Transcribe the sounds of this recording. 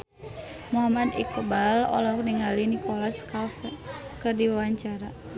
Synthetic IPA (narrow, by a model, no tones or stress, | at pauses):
muɦamad̪ḭkəbalɔ̰lauk̚niŋalinikɔlaskafkɨrdiwawaɲt͡ʃaɾa